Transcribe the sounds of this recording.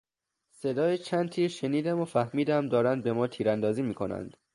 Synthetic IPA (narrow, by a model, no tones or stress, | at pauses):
se̞d̪ɒːjet͡ʃʰænd̪̚t̪ʰiːɾʃeniːd̪æmofæhmiːd̪æmd̪ɒːɾænd̪̚be̞mɒːt̪ʰiːɾænd̪ɒːziːmiːkʰo̞næ̰nd̪̥